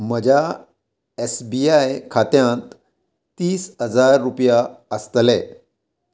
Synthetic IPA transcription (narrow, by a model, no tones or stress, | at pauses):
m̤əd͡ʑʱa | esbiajkʰat̪jãnt̪ː | iːsɦəd͡zaɾːupjaəst̪lɛ